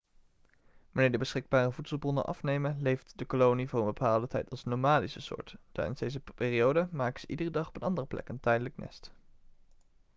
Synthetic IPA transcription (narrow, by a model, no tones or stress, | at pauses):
ʋanɪːɹdəbəsχɪɡ̚baːrəvutsəlˠbrɔnə̰nʔɑ̰fnejmənlejftdəkolownivʊːrənbəpaːlˠdətɛjtɑlˠsnomaːdisəsʊ̰ːɹtd̥a̰ɹdənzdejzəpɪːriowdəmaːkəz̥əʔidərədɑχɔpənɑndərəplɛ̰kəntɛjdələknʔɛ̰st